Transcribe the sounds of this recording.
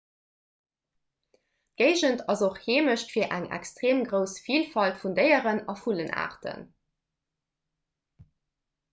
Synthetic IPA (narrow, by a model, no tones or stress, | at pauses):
ɡ̥ɜɪʒəntʰɑzoχheːməʃtfiːɐʔæ̰ŋæ̰kstʁeːmɡʁəʊsfiːlfɑltfundəɪəʁənɑfulənʔa̰ːʁtə̰n